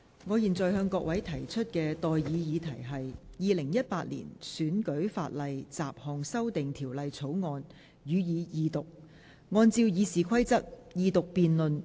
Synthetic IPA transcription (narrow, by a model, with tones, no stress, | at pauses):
ŋɔː˨˧jiː˨˩nt͡sɔː˨˩jhœː˧ŋkɔː˧k̚wɐ˨˥jt̪ʰɐ˨˩jt͡ʃʰɵ˥t̚kɛː˧t̪ɔː˨jjiː˨˧jiː˨˧t̪ʰɐ˨˩jɦɐ˨jjiː˨˧lɪ˨˩ŋjɐ˥t̚paː˧t̚lḭː˨˩nsyː˨˥nkɵ˨˥ɥfa̰ː˧t̚lɐ˨jt͡sa̰ː˨p̚hɔː˨˩ŋsɐ˥wt̪ɪ˨ŋt̪ʰiː˨˩wlɐ˨jt͡sʰo˨˥wŋɔː˧n | jyː˨˧jiː˨˧jiː˨˧t̪ʊ˨k̚ | ŋɔː˧nt͡siː˧wjiː˨˧siː˨kʰɐ˥jt͡sɐ˥k̚jiː˧t̪ʊ˨k̚piː˨nlɵ˨n